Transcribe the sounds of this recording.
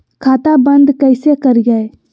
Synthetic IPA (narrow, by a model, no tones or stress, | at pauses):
kʰaːt̪abə̃nd̪kəɪsekəɾɡae